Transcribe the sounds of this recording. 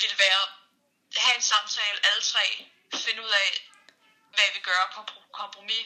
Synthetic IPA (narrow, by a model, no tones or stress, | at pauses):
ʋelʋæːɐ | hæe̝nsɑ̈mt͡sʰɛ̰ːl̩əʔælət͡sʰʁɛ̰ː | fe̝nəuð̞̰ˠɛ | ʋæʋeɡ̥ɶːɐkʰkʰɒ̽mpʰʁo̝mi